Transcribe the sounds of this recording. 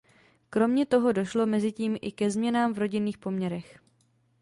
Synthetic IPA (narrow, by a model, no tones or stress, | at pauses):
kɾo̞mɲɛt̪o̞ɦo̞do̞ʃlo̞mɛzɪciːmʔɪ̰kɛzmɲɛnaːmvɾo̞ɟɪniːxpo̞mɲɛɾɛx